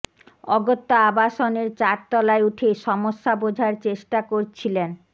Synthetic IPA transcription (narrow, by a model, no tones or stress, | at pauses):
ɔɡot̪ːoabaʃoneɾt͡ɕaɾt̪ɔlaeuʈʰeʃɔmoʃːabod͡ʑʱaɾt͡ɕeʃʈakoɾt͡ɕʰilen